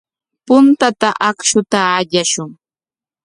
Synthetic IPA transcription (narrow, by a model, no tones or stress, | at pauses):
pʊnt̪at̪aʔakʃʊt̪aːʎaʃʊŋ